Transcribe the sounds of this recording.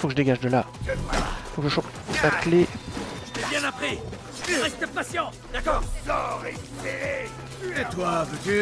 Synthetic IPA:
fokəʒəd̪eɡaʒd̪əla | ifokəʒəʃɔ̃p | lakle | t̪ɛbjɛ̃napχi | əʁɛst̪əpasjɑ̃ | d̪akɔʁ | et̪wavøt̪y

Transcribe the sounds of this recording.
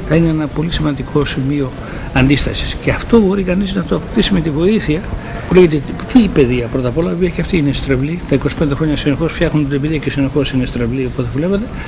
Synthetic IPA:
θɐineenɐpo̞lisimɐnd̪ikʰo̞simio̞ | ɐnd̪ist̪ɐsi̥sce̞ɐft̪o̞bo̞ɾikɐniznɐt̪oɐpokt̪isimet̪ivo̞iθiɐ | puleʝet̪ept̪iːpe̞ðiɐpɾo̞t̪ɐpo̞lɐoviɐceɐft̪iːnest̪ɾevlit̪ɐiko̞si̥pend̪e̞xɾoɲɐsinexo̞sfçɐxnunt̪inebiðiɐcesinexo̞sinest̪ɾevliopot̪evulevot̪e̞

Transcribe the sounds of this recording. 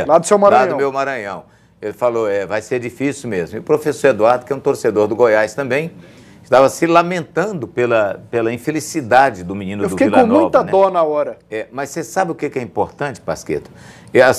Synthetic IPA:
ɐlad̪ʊsewmaɾɐlãdɐ̃mewmaɾɐ̃ɲɐ̃w̃ | elɪfalowɛvajseɾd͡ʒifisiwmezmʊiʊpɾofesoɾed̪uaɾd̪ʊkɪɛũt̪oɾsed̪oɾd̪ʊɡojajst̪ɐ̃mbẽj̃ | ɪʃt̪avɐsɪlamẽnt̪ɐ̃d̪ʊpelɐpelɐĩfelisid̪ad͡ʒɪd̪ʊminĩnʊd̪ʊkeilkõmũjvt̪ɐnɛd̪õnɐaɔɾɐɛmɐssesabɪʊkekɪɛĩpoɾt̪ɐ̃t͡ʃɪ̥paskḛt̪ʊ̥ɛas

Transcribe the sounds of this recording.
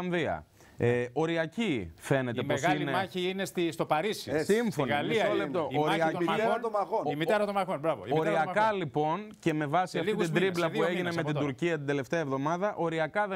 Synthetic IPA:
nðiɐ̰ | o̞ɾiɐcife̞ne̞t̪eposilneɐçiinest̪ist̪opɐɾisḭsimsfonɣɐliɐolept̪ooɾɐɐt̪omɐxoimieɾɐt̪omɐxonbɾɐvo̰oɾiɐkɐlipo̞nce̞me̞vɐsiɐfiit̪id̪ɾiblɐðueʝineme̞t̪id̪uɾciɐt̪ind̪e̞le̞ft̪eɐevðo̞mɐðɐʔo̞ɾiɐkɐðe

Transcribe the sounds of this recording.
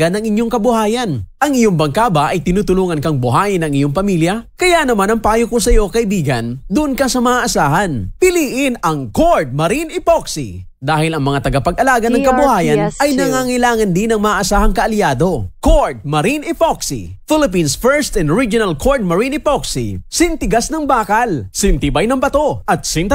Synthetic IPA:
anɐŋɪɲjoŋkɐbʊhaːjɐnʔɐŋɪjoŋbɐŋkaːbaʔɐjt̪ɪnut̪ʊluːŋɐnkɐŋbʊɦaːjɪnɐŋɪjo̞ŋpɐmiljɐkɐjanɐmanɐŋpaaːjokosɐjo̞kɐʔɪbiːɡɐnd̪ʊʔonkɐsɐmɐaʔːsaːɦɐnpɪliːʔɪnɐŋkoɹd̪̚mɐɾinɪpoksḭ | d̪aːhɪlɐŋmɐŋat̪ɐɡapɐɡɐlaːɡɐnɐŋkɐbʊhaːjɐnnɐjnɐŋaːŋɪlaːŋɐnd̪ɪnɐŋmɐaʔːsaːhɐŋkɐʔɐlɪaːd̪o̞koɹd̪̚mɐɾinɪpoksḭfɪlɪp̬insfɛɹst̪ɛnɹid͡ʒʊnɐlkʰoɹd̪̚mɐɹinɪpoksḭsɪnt̪ɪɡasnɐŋbaːkɐlsɪnt̪ɪbajnɐŋbɐt̪o̞ʔɐt̪̚sɪnt̪

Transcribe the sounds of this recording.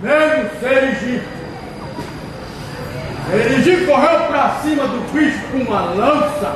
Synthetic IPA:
mezmʊseɾiʒip | eɾiʒikoɦewpɾasĩmɐd̪ʊpisukũmɐlɐ̃sɐ

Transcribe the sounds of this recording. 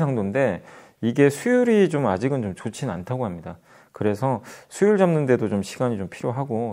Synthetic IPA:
sʰaŋdonde̞ | iɡe̞sʰujuɾit͡ɕomad͡ʑiɡɯnt͡ɕomt͡ɕot͡ɕʰina̰ntʰaɡoɦamɲida | kɯɾe̞sʰʌsʰujuɭd͡ʑʌmnɯnde̞dot͡ɕomɕʰiɡaɲit͡ɕompʰiɾjoɦaɡo

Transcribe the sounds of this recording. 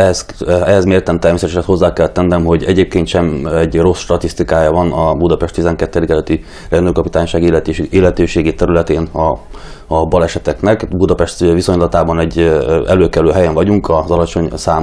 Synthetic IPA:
ɛzɛɦɛzmeːrt̪ɛmt̪ɛrmeːsɛt̪ɛʃɛt̪ho̞zːaːkɛlːt̪ːɛnːɛmɦo̞ɟɛɟeːp̚keːnt̪ʃɛmɛɟro̞sʃt̪ɒt̪ist̪ikaːjɒvɒnɒbud̪ɒpɛʃt̪izɛŋkɛt̪ːɛd̪ikɛløt̪ːi | rɛnd̪øːkɒpit̪aːɲʃaːɡelt̪eːlɛt̪øːʃeːɡit̪ɛɾylɛt̪eːnɒ | bɒlɛʃɛt̪ɛknɛkbud̪ɒpɛʃt̪viso̞ɲlɒt̪aːbɒnɛɟːɛ̰løːkɛløːɦɛjɛɱvɒɟuŋkɒzɒlɒt͡ʃo̞ɲsaː

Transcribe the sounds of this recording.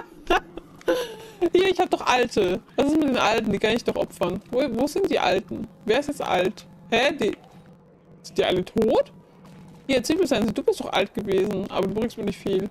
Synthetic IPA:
hiːɐɪçhaːbədɔχʔaltʰəvasɪstmɪt̚d̥eːnʔaltn̩d̥iːkʰanɪçd̥ɔχʔɔ̰pfɐnvovoːzɪntd̥iːʔa̰ltn̩veːɐɪstjɛt͡stʔa̰lt | hɛdiː | zɪd̥iːʔa̰lətʰoːt | hiːɐt͡siːdiːzaɪnziːduːbɪstd̥ɔχʔa̰lt̚ɡ̥əveːzn̩ʔa̰ːbɐduːbʁɪkstmiːɐnɪçtfiːl

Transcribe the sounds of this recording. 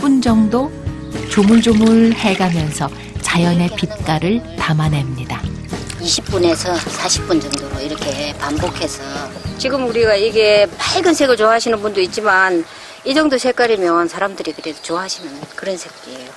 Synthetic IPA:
p͈und͡ʑʌŋdo | t͡ɕomud͡ʑomuɭhe̞ɡamjʌnsʰʌ | t͡ɕajʌne̞pit̚k͈aɾɯɭtamane̞mɲida | iɕʰip̚p͈une̞sʰʌsʰaɕʰi̥p̚p͈und͡ʑʌŋdoɾoiɾʌkʰe̞pambokʰe̞sʰʌt͡ɕiɡɯmuɾiɡaiɡe̞paɭɡɯnsʰe̞ɡɯɭt͡ɕoaɦaɕʰinɯnbundoit̚t͡ɕ͈iman | id͡ʑʌŋdosʰe̞k͈aɾimjʌnsʰaɾamdɯɾikɯɾesot͡ɕoaɦaɕʰinɯnkɯɾʌnsʰe̞k̚k͈iejo

